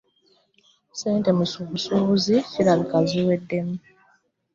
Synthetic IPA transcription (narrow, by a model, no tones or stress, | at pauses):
seːnte̞musuβusuβuziciɾaβikaziwe̞dːe̞mu